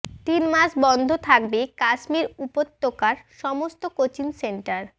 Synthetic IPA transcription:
t̪inmaʃbɔnd̪ʱot̪ʰak̚bekaʃmiɾupot̪ːokaɾʃɔmost̪okot͡ɕinseɳʈaɾ

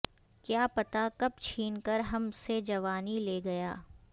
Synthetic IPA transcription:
kjaːpɐt̪akɐb̚t͡ʃʰiːnkɐɾɦɐmsed͡ʒɐʋaːnileːɡɐjaː

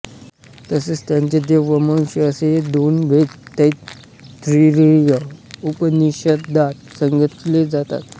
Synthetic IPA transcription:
t̪əset͡st̪jaɲt͡ɕed̪eʋəmə̃w̃ɕəəseɦed̪onbʱett̪ːej | t̪ɾiɾijəupəniɕət̪d̪at̪̚səŋɡət̪led͡zat̪a̰t̪

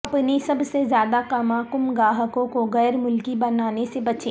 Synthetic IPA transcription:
ɐpnisɐbsezjaːd̪akɐmaːkʊmɡaːɦəkõkoɣɛːɾmʊlkibɐnaːnesebɐt͡ʃeː

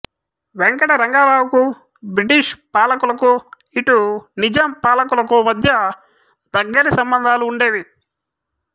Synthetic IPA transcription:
ʋeŋkɐʈɐɾɐŋɡaːbaːwku | bɾiʈiʂpaːlɐkulɐku | iʈunid͡ʒɐmpaːlɐkulɐkumɐd̪ʱjɐ | d̪ɐɡːɐɾisɐmbɐnd̪ʱaːluːɳɖe̞ːʋi

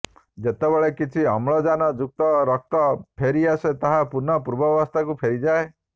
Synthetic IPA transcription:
d͡ʒet̪ebeɭekit͡ʃʰiɔmɭɔd͡ʒanɔd͡ʒuk̚t̪ɔɾɔk̚t̪ɔpʰeɾiaset̪aɦapuɾnɔpuɾbɔʋɔst̪ʰakupʰeɾid͡ʒae

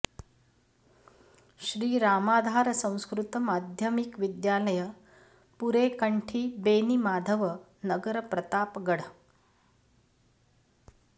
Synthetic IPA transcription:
ɕɾiːɾaːmaːd̪ʱaɾsə̃w̃skɾut̪əmad̪ʱjəmikʋid̪jaləjə | puɾekəɳʈʰiːbenimaːd̪ʱəʋə | nəɡəɾəpɾət̪aːpɡəɽ

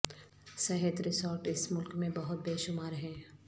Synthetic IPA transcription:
sɐɦət̪ɾɪsɔːɾʈɪsmʊlkmẽbɐɦʊt̪̚beːʃʊmaːɾɦɛ̃ː

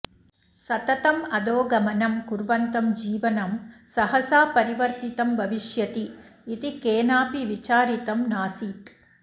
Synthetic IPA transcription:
sɐt̪ɐt̪ɐmɐd̪oːɡɐmɐnɐmkuɾʋɐnt̪ɐmd͡ʒiːʋɐnɐmsɐɦɐsaːpɐɾiʋɐɾt̪it̪ɐmbʱɐʋiʃjɐt̪iː | t̪ikeːnaːpiʋit͡ʃaːɾit̪ɐmnaːsiːt̪

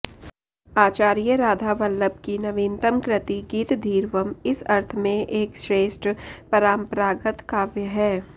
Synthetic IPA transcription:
aːt͡ʃaːɾijəɾaːd̪ʱaʋɐlːəb̚kinɐʋiːnt̪əmkɾɪt̪iɡiːt̪d̪ʱiːɾʋəmɪsɐɾt̪ʰmẽʔeːkʃɾeːʃʈpɐɾaːmpɾaːɡət̪kaːʋjəɦɛː

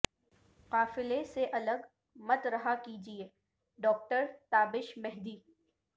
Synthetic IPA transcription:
qaːfɪleseʔɐləɡ | mɐt̪ɾɐɦakiːd͡ʒieː | ɖɔːk̚ʈəɾt̪aːbɪʃmɛɦd̪iː

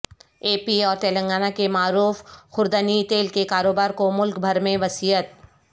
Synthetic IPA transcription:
eːpiɔːɾt̪eːlə̃ŋɡaːnakemaːɾuːfxʊɾd̪ənit̪eːlkekaːɾoːbaːɾkomʊlkbʱɐɾmẽʋɐsiːjət̪̚

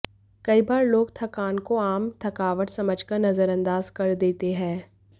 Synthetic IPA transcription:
kɐibaːɾloːɡt̪ʰɐkaːnkoaːmt̪ʰɐkaːʋəʈsɐməd͡ʒkɐɾnɐzəɾɐ̃nd̪aːzkɐɾd̪eːt̪eɦɛ̃ː

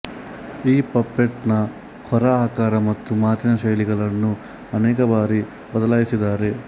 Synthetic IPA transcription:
iːpɐpːeʈnɐ | hɔɾɐːɦɐkaːɾɐmɐt̪ːumaːt̪inɐʃɐjliɡɐɭɐnːu | ɐnɛːkɐbaːɾi | bɐd̪ɐlaːjisid̪aːɾe̞

